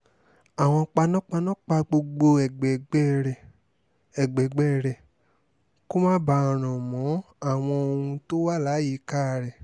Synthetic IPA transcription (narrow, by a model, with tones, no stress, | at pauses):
a˨w̃ɔ̃˧k͡pa˧nã˦k͡pa˧nã˦k͡pa˧ɡ͡bo˧ɡ͡bo˧ɛ˨ɡ͡bɛ˨ɡ͡bɛ˦ɾɛ˨ | ɛ˨ɡ͡bɛ˨ɡ͡bɛ˨˦˨ɾɛ˨ | ko˦mãː˦ba˦ã˨ɾ̃ɔ̃˨mɔ̃˨˦ | a˦˨w̃ɔ̃˧o˧hũ˧to˦wa˦˨la˨˦ji˨˦ka˦˧˨ɾɛ˨